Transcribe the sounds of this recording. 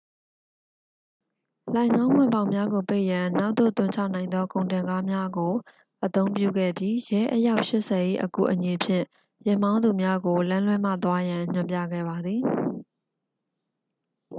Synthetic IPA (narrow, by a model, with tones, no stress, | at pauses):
lã˨ɪ̃ŋã˦ʊ̃m̥wɪ̰̃˦˨bã˦ʊ̃mja˦ɡo˨pe˦ɪʔjã˨na˦ʊʔt̪ːo̰˦˨t̪ʊ̃˦˨ɲt͡ɕʰa̰˦˨ʔnã˨ɪ̃nd̪ðɔ˦kõ˨ʊ̃ntɪ̃˨ŋɡa˦mja˦ɡo˨ | ʔət̪õ˦ʊ̃mpjṵ˦˨ɡɛ̰˦˨bji˦jɛ˦ʔəja˦ʊʔʃɪ˦ʔsɛ˨ʔḭ˦˨ʔəkṵ˦˨ʔəɲi˨pʰjɪ̰̃˦˨ | jɛ˦˨m̥ã˦ʊ̃nd̪u˨mja˦ɡo˨lã˦lwɛ˦mä̰˦˨t̪wa˦jã˨ɲ̥ʊ̃˨mpjä̰˦˨ɡɛ̰˦˨ba˨d̪ði˨